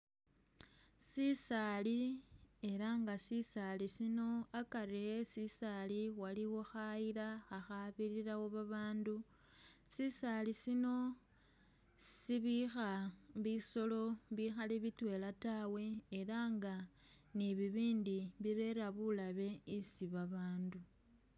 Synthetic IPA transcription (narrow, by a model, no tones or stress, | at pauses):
sisalie̞ɾaŋɡasisalisino̞akariesisaliwaliwo̞xaiɾaaxaβiɾiɾawo̞βaβaːndu | sisalisino̞ | siβixaβiso̞lo̞βixaleβitwe̞latawe̞ːɾaŋɡa | niβiβiːndiβiɾe̞ɾaβulaβe̞isiβaβaːndu